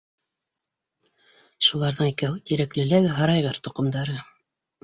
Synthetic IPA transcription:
ʃulˠɑɾðɤɴikæut̪iɾæklɘ̆læɡɦɑɾɑjʁɤɾt̪ŏqɤ̆md̪ɑɾɤ

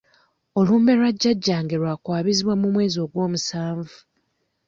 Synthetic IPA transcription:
o̞lume̞ɾwaɟːaɟːaːŋɡeɾwaːkwaːβiziβwamumwe̞ːzio̞ːɡwo̞ːmusaːɱvu

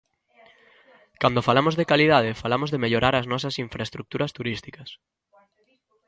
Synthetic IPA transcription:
kand̪ofalamozðekaliðað̞efalamozðemeʎoɾaɾɐznɔsɐsiɱfɾaest̪ɾuk̚t̪uɾɐst̪uɾist̪ikɐs

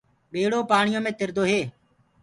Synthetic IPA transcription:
ɓeːɽoːpaːɳɪjõːmẽːt̪ɪɾd̪oːɦeː

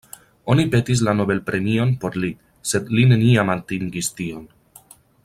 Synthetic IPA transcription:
o̞nipe̞tis̬lano̞be̞lpɾʔe̞mio̞npo̞ɾli | se̞dline̞niamantiŋɡistio̞n

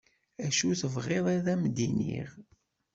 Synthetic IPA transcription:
æʃuθəvʁeðˤæðæmd̪inḭʁ

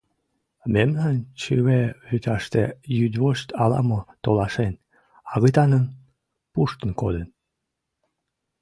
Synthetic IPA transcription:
memnɑnt͡ɕɯβeyt̪ɑʃt̪ejyd̪βoɕt̪ɑlɑ̰mot̪olɑʃen | ɑɣət̪ɑnən | puʃt̪ənkod̪ən

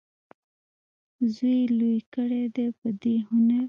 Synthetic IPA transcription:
zujlujkəɽed̪epəd̪eɦʊnaɾ

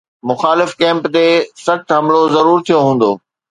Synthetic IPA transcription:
mʊxaːlɪfkɛ̃ːmpt̪esɐxt̪ɦɐmlozɐɾuːɾt̪ʰijoɦũːn̆d̪o̰ː

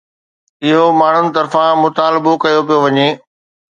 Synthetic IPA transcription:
ɪɦomaːɳ̤ʊnɪ̆t̪ɐɾfãmʊt̪aːlɪbokɐjopijoʋɐɲeː

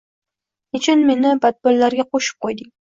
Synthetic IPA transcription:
ʊt͡ʃʰʊnmenɪbat̪̚bʊlːaɾɡʲaqʰoʃɪ̥p̚qʰojd̪ɪŋ

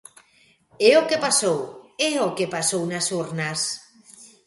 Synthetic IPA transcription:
eokepasoweokepasownasuɾnas

